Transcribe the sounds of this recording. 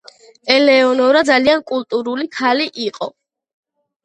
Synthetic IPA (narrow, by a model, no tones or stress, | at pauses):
ɛlɛɔnɔɾad̪zaliankʼulˠt̪ʼuɾulikʰaliʔiqʼɔ̰